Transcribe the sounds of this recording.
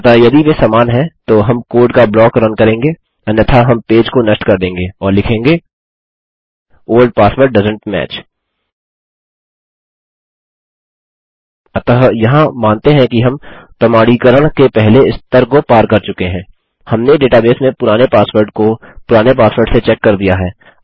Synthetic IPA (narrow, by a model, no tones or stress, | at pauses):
ɐt̪ajɐd̪iʋesaːmaːnɦɛ̃t̪oɦɐmkoːɾɖkablɔːkɾɐnkɐɾẽːŋɡeː | ɐnjɐt̪ʰaɦɐmpeːd͡ʒkonɐsʈkɐɾd̪ẽːŋɡeːɔːɾlɪkʰẽːŋɡeː | oːəlɖ̚paːsʋəɾʈ̚ɖɐzə̃ɳʈmɛ̰ːt͡ʃ | ɐt̪ɐɦjɐɦãmãːnt̪eɦɛ̃kiɦɐmpɾɐmaːɽikɐɾəɽ̃kepɛɦleɪst̪əɾkopaːɾkɐɾt͡ʃʊkeɦɛ̃ː | hɐmneɖeːʈabeːsmẽpʊɾaːnepaːsʋəɖkopʊɾaːnepaːsʋəɾɖset͡ʃɛːkːɐɾd̪ijaɦɛː